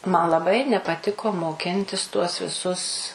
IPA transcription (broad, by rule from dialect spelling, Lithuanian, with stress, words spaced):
mɐn lˠɐˈbɐɪ nʲɛpɐˈtʲɪkoː moːˈkʲɪnʲtʲɪs tuɔs ʋʲɪˈsʊs